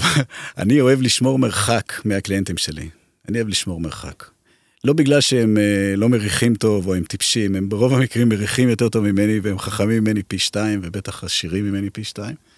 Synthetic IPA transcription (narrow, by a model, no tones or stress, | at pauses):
ʔa̰nio̞e̞vliʃmo̞ʁmeʁχakmeaklient̪imʃelḭ | anioevliʃmo̞ʁme̞ʁχa̰k | lo̞biɡlalʃeemelo̞meʁiχimto̞voemt̪ipʃime̞mbeʁo̞vamikʁimːeʁiχimjo̞te̞ʁto̞vmime̞niveemχaχamimime̞nipiʃtaimvebe̞t̪aχaʃiʁimːime̞nipiʃtaim